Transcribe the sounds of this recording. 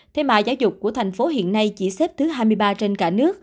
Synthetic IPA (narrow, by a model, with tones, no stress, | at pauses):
t̪ʰe˧ma̰ː˨˩zaː˨˦wzʊ˨˩k͡p̚kːu˧˩ət̪ʰa˨˩jŋ̟fo˨˦ɦḭ˧˨ənːa˧jt͡ɕi˧˩sɛ˦˥p̚t̪ʰɨ˨˦ɦaː˧jmɨ˧əjɓaː˧t͡ɕe˧nkaː˧˩nɨ˦˥ək̚